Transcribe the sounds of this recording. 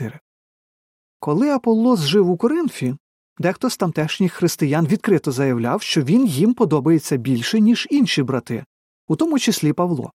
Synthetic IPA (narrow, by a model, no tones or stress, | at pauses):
ɪɾɪ | kɔlˠɪɐpɔlˠːɔsʒɪwʊkɔɾɪnfʲi | d̪ɛxt̪ɔst̪ɐmt̪ɛʃnʲɪxxɾɪst̪ɪjɑnʋʲid̪kɾɪt̪ɔzɐjɐwlʲawʃt͡ʃɔʋʲinjimpɔd̪ɔbɐjet͡sʲːɐbʲilʲʃɛnʲiʒinʃʲibɾɐt̪ɪ̰ | ut̪ɔmʊt͡ʃesʲlʲipɐwlˠɔ̰